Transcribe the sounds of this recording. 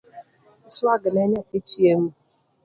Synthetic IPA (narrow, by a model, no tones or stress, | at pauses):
sʊaɡɪneɲatɪt͡ʃiem̩